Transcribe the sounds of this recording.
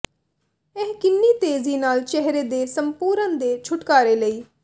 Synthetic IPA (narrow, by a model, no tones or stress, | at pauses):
ɪɦkɪnːiːt̪eːziːnaːlt͡ʃɛɦɾeːd̪eːsəmpuːɾənd̪eːt͡ʃʰʊʈkaːɾeːləiː